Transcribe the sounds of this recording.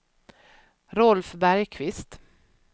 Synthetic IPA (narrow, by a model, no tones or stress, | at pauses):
ɾɔlfbæɾjkʰvɪst̪